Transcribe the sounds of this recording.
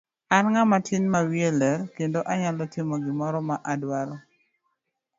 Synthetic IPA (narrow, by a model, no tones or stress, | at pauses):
anŋamatɪnmawielɛɾkendoʔaɲalɔtɪmoɡɪmɔɾɔmaʔadwaɾɔ